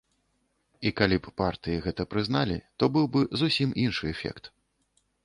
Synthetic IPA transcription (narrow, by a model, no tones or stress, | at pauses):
ikalʲipːart̪ɨjiɣɛt̪ɐpɾɨznalʲḭt̪ɔbɨwbɨzusʲimʔinʂɨɛfʲɛ̰kt̪